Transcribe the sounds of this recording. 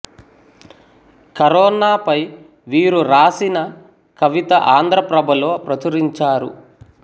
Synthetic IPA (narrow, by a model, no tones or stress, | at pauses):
kɐɾɔːnaːpɐj | ʋiːɾuɾaːsinɐ | kɐʋit̪ɐʔaːnd̪ɾɐpɾɐbʱɐloːpɾɐt̪uɾiɲt͡ʃaːɾṵ